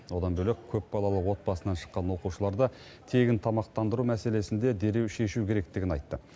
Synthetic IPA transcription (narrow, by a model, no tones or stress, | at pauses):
wo̞d̪ɑnbɵlekʲʰɵpbɑlˠɑlˠəwo̞t̪̚bɑsənɑnʃə̥qːɑnwo̞quʃəlˠɑɾd̪ɑ | t̪ʰe̞ɡʲɪnt̪ʰɑmɑqt̪ɑnd̪əɾumæse̞le̞sɪnd̪e̞d̪e̞ɾe̞wʃe̞ʃukʲʰe̞ɾek̚t̪ɪɡʲɪnɑjt̪ːə